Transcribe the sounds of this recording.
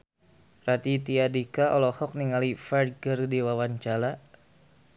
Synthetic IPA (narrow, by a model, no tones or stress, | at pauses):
rat̪it̪iadikaʔɔlɔhɔk̚niŋalifard̪ɡərdiwawaɲt͡ʃala